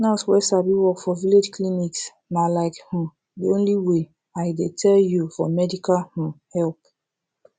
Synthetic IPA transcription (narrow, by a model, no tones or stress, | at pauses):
naswɛsabiwɔkfɔviled͡ʒkliniks | nalaɪkhũ | diõnliwe | aɪdetʰɛljufɔmɛdikalhũhɛlp̚